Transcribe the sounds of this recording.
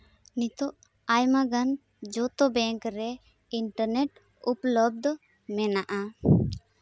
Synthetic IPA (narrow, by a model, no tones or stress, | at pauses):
nit̪ɔʔ | ajmaɡan | d͡ʒɔt̪ɔbɛŋkɾɛ | iɳʈəɾnɛʈ | uplɔb̚d̪ɔ | mɛnaʔa